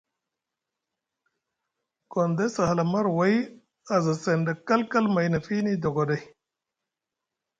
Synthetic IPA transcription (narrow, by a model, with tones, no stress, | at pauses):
kond̪e˦sɐ˨hlɐmɐ˦ɾwɐ˦j | ɐ˨zɐ˨se˨nɖɐ˨kɐ˦lkɐ˦lmɐ˨jnɐ˨fi˦ni˦d̪o˨ɡo˨dɐ˦j